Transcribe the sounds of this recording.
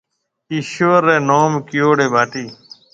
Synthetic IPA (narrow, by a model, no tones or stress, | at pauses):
iːʃoːəɾːeːnoːmkɪjoːɽeːbʱaːʈiː